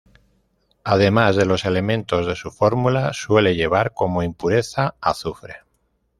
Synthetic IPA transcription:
að̞e̞mazðe̞lo̞se̞le̞mẽnt̪o̞zðe̞sufo̞ɾmulaswe̞le̞ʎe̞β̞aɾko̞mo̞impuɾe̞θaaθufɾe̞

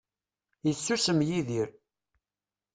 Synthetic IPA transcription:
jət͡sːusəmjiðiɾ

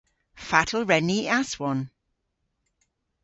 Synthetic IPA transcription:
fatʰl̩ˠɹɛniaswɔn

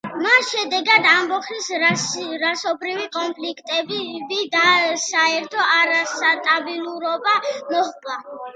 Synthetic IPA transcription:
masʃɛd̪ɛɡad̪ambɔχis | ɾasɔbɾivikʼɔnpʰlikʰt̪ʼɛbbid̪asaɛɾt̪ʰɔaɾasat̪ʼabilˠuɾɔbamɔχkʼa

